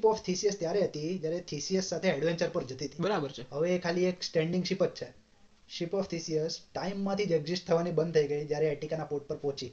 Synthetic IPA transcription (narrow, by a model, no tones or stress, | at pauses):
pɔft̪ʰisiəst̪jaɾeɦət̪id͡ʒjaɾet̪ʰisiesːat̪ʰeɛɖʋeɲt͡ʃəɾpəɾd͡ʒət̪it̪ibəɾabəɾt͡ʃʰeɦəʋeːkʰalieksʈeɳɖĩŋɡʃipətt͡ʃʰe | ʃipɔft̪ʰisiəsʈaimːãt̪ʰid͡ʒeɡzisʈ̚t̪ʰəʋanibənd̪t̪ʰəiɡəid͡ʒjaɾeeʈikanapoʈ̚pəɾpɔ̃t͡ʃi